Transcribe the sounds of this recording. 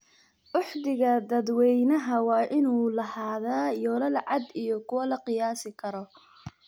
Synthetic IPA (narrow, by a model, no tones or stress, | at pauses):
ʔʊħd̪ɪɣɐd̪ɐd̪wɛjnɐɦɐwɑːʔɪnuːlɐhaːðaːjɔːlɐlʕɑd̪ijɔkʰʊwɐlɐqɪjaːsɪkʰɐɾɔ